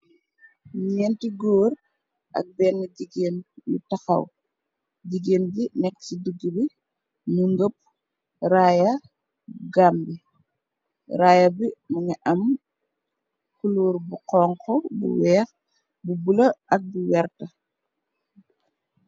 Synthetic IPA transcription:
ɲiɲɛntiɡoːɾ | ʔɐ̰k̚bɛːnːiɟiɡeːnjṵtaxɐ̰w | ɟiɡeːnbinɛkːsiduɡːibi | muŋɡop̚ | ɾaːjɐ | ɡaːmbi | ɾaːjɐbimuɲiʔɐm | kuluːɾbuqɔːŋkɔbṵwɛːx | bubulɐɐk̚buwɛrtɐ

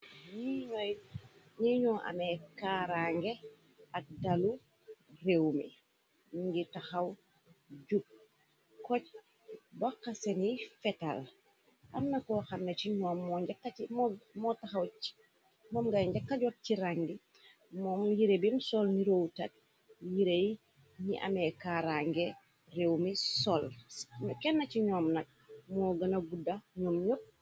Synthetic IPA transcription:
ɲiɲɔj | ɲiɲɔʔa̰mɛkaɾaŋɡe | ak̚dalu | rewmḭ | ŋɡitaxaw | ɟuk̚ | kɔc̚ | bɔkːasɛnifɛta̰l | ʔa̰nːɐkɔxɐmːet͡ʃiɲɔːmːɔɟakːamɔmɔtaxɐw̥ | mɔːmɡajɲɟɐkːɐɟɔk̚ciɾaŋɡi | mɔːmjiɾebimsɔlniɾowtɐt̚ | jiɾej | nḭʔɐ̰mekaɾaŋɡe | rewmisɔlmkɛnːɐciɲɔːmnɐk̚ | mɔːɡɐnɐɡudːɐɲɔːmɲop̚

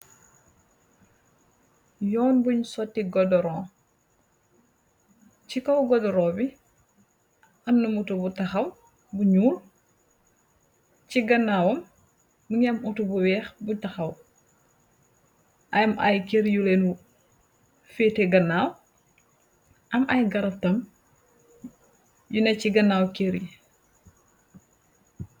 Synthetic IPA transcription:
jɔːnbuɲsɔtːiɡɔdɔɾɔ̃ː | cikɔwɡɔdɔɾɔːbi | ɐnːumutubutɐxɐw | buɲuːl | ciɡɐnːaːwɐm | nuɲɛmutubuwɛːxbutɐxɐw | ʔɐjɐmʔɐ̰jkeɾjuleːnu | fɛːteɡɐnːaːw | ʔɐmʔɐjɡɐɾɐftɐm | junɛciɡɐnːaːwkeɾji

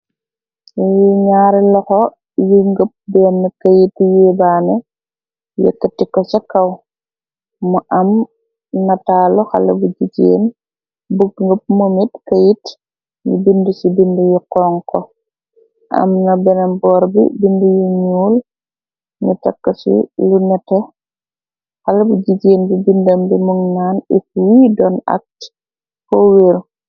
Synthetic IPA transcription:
jiɲaːɾilɔxɔ | juŋɡəp̚bɛːnːɐkɐjitjebaːnɛ | jɛ̰kːətikɔsɐkːɐw | muʔɐm | nɐtaːlɔxa̰lɐbuɟiɟḛːn | buɡ̚ŋɡəp̚mumitkajit | nubindəsibindujuqɔːŋkɔ | ʔɐ̰mnɐbɛnɐmbɔːɾbḭbindujuɲuːl | nutɐkːɐsḭlunɛtɛ | xalɐbuɟid͡ʒeːnbibindɐmbimuŋnaːnɛfuwiːdɔnɐ̰k̚t | poweɾ

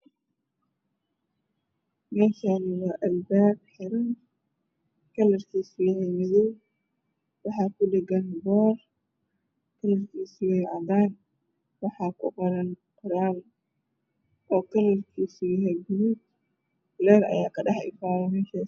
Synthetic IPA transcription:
mɛːʃaːnɪwɑːʔɐlbaːb̚ħɪɾɐn | kʰɐlɐrkʰiːsujaɦɛjmɪðʊw | wɑħɑːkʰʊdɛɡɐnbɔːr | kʰɐlɐrkʰiːsʊwɛjʕɑd̪aːn | wɑħɑːkʰʊqɔɾɐnqʊɾaːl | ʔɔːkʰɐlɐrkʰiːsujɐɦɛjɡʊɾuːb̚ | lɛːɾɐ̰jaːkʰɐɖɑħɪ̰faːwɔmɛːʃaː

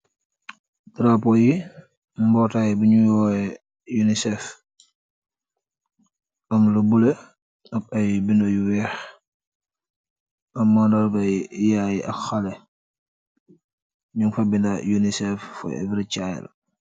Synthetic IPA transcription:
tɾapɔji | mbɔtaːjɛbuɲujɔːɛ | junisɛf | ɐmlɐbule | ɐk̚ɐjbindojuwɛːx | ɐmːandɐlbɐjjajiʔɐkxɐlɛ | ɲuŋfɐbindɐjunisɛfːɔ̰jɛ̰viɾit͡ʃajɛ̰l̰

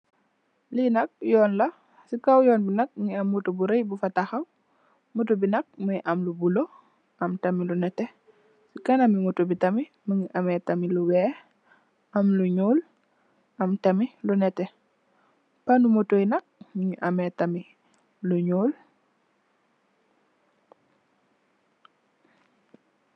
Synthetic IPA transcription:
linɐk̚jɔːnlɐ | sikawjɔːnbinɐk̚ɲiɐmːutobuɾejbufɐtaxɐw | motubinɐk̚məjiʔɐmlubulo | ʔɐmtɐmilunɛtɛ | sikanɐmimutubitɐmi | məŋiʔɐmɛtɐmiluwɛ | ʔɐmluɲoːl | ɐmtɐmilunɛtɛ | panumotojinɐk̚məŋiʔamɛtɐmi | luɲoːl

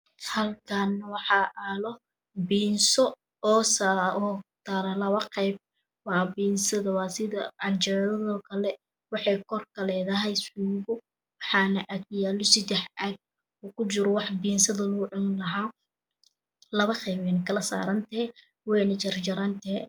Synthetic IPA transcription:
hɐlkʰaːnːɐwɑħɑʔaːlɔ | biːnsɔ | ɔːsaɔt̪aːɾɐlɐβɐqɛjb̚ | wɑːbiːnsɐðɐwɑːsɪðɐɐlt͡ʃɐʕðɐðɔːkʰɐlɛ | wɑħɑjkʰɔrkʰɐlɛːðɐɦɛjsuːɣʊ | wɑħɑːnɐʔɐkjaːlɔsɪd̪ɛħɐɡ̚ | uːkʰʊt͡ʃɪɾɔwɑħbiːnsɐðɐlʊɡʊʕɪnlɐɦaː | lɐβɐqɛjbɛjnɐkʰɐlɐsa̰ːɾɐnt̪ɐɛ | wɛjnɐt͡ʃɐrt͡ʃɐɾɐnt̪ʰɐhɛ

